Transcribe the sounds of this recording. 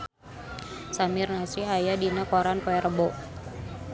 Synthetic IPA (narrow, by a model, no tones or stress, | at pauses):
samɪrnasiɦajadinakoɾanpoɛrəbɔ